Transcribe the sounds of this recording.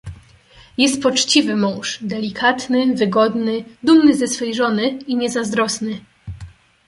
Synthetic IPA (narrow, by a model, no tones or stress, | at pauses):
jɛst̪̚pɔt͡ʂt͡ɕivɘmɔ̃w̃ʂd̪ɛlʲikʰat̪nɘvɘɡɔd̪nɘd̪umnɘzɛsfɛjʐɔnɘiɲɛzazd̪ɾɔsnɘ